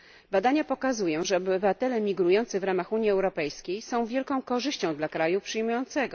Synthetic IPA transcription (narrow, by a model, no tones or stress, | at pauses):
bad̪aɲapɔkazujɔ̃w̃ʐɛɔbɘvat̪ɛlɛmʲiɡɾujɔnt̪sɘvɾamaxuɲjiɛwɾɔpɛjskʲejsɔ̃w̃vʲjɛlkɔ̃w̃kɔʐɘɕt͡ɕɔ̃w̃d̪lakɾajupʂɘjmujɔnt̪sɛɡɔ